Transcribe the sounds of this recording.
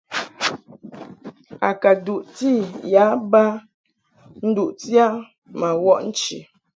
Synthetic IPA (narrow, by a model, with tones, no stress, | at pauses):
a̰˨ka˨du˨ʔti˦˨ja˨˦ba˦ | n̩˦du˨ʔti˦a˦ | ma˨wɔ˦ʔn̩˦t͡ʃḭ˨